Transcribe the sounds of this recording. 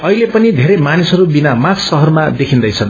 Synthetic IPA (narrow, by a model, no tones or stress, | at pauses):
ʌilepʌnid̪ʱeɾʌmanisɦʌɾubinamaksʌɦʌrmad̪ekʰind̪ʌjt͡sʰʌn